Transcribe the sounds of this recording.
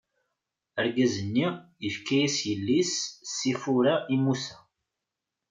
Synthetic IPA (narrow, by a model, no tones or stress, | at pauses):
əɾɡæzənːi | əfkæjisjəlːissifuɾaʔimusæ